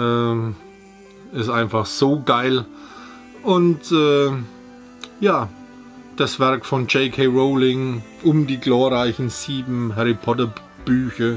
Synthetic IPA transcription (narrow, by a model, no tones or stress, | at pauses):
ʔɛː | ɪstʔaɪnfaχz̥oːɡaɪl | ʔʊntʔɛː | jaː | d̥asv̥ɛɐkfɔnd͡ʒeɪkʰeʁoʊlɪŋʔʊmdiːɡloːɐʁaɪçn̩z̥iːbm̩ɦɛʁipʰɔtɐ | b̥yːçɐ